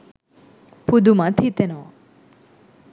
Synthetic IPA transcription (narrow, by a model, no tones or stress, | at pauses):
pud̪umãt̪ʰit̪eno